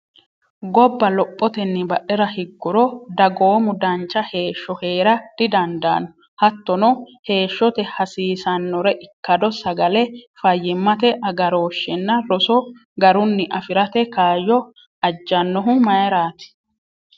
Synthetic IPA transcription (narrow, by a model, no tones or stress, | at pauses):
ɡɔbːɐlɔpʼːɔt̪ɛnːɪbɐʔɛɾɐhɪɡːʊɾɔd̪ɐɡo̞ːmʊd̪ɐnt͡ʃʼːɐhe̞ːʃːɔhe̞ːɾɐd̪̥ɪd̪ɐnd̪a̰ːnʊ | hɐt̪ːɔnɔhe̞ːʃːɔt̪ɛhɐsiːsɐnːɔɾɛʔɪkːɐd̪ɔsɐɡɐlɛfɐjːɪmːɐt̪ɛʔɐɡɐɾo̞ːʃːɛnːɐɾɔsɔ | ɡɐɾʊnːɪʔɐfɪɾɐt̪ɛkaːjɔ | ɐd͡ʒːɐnːɔɦʊmɐjɛɾaːt̪ɪ̥